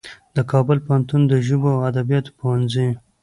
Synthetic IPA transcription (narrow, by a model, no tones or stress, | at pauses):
d̪̥əkʰɑbʊlpohant̪und̪əʒuboawad̪abijɑt̪powanzi